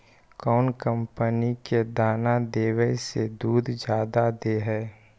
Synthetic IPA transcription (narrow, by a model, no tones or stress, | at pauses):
kɔːnkə̃mpəniked̪aːnad̪eːwəjsed̪uːd̪d͡ʒjaːd̪ad̪eɦɛː